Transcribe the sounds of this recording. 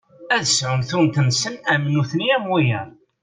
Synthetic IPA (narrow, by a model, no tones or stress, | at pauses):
æðəsʕʊmθunt̪əmsənæmnuθniæmwijəɾ